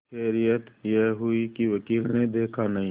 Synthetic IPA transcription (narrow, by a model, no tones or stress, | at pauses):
ʃɛːɾijət̪jɛɦɦʊikiʋɐkiːlned̪eːkʰanɐɦĩ